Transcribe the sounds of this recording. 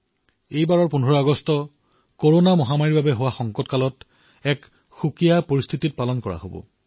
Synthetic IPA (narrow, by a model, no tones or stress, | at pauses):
ejbaɹɔɹpunʱɔɹɔaɡɔstɔ | koɹonamɔɦamaɹiɹbabɛɦowaxɔŋkɔtkalɔt | ɛk | xukijapoɹist̪ʰitit̚palɔnkɔɹa̰ɦo̰bɔ̰